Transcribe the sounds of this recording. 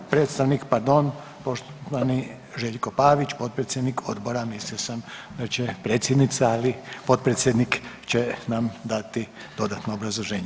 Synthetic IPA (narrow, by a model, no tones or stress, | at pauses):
pɾet̪st̪aʋnikpaɾd̪o̞n | po̞ʃt̪oʋani | ʒeʎko̞paːʋit͡ʃpo̞t̪̚pɾet̪sjed̪nikʰo̞d̪bo̞ɾamisliosamd̪at͡ɕepɾe̞ːt̪sʲjed̪nit̪saalipo̞t̪̚pɾet̪sjed̪nikt͡ɕenamd̪at̪i | d̪o̞d̪at̪noobɾazlˠoʒe̞ːɲe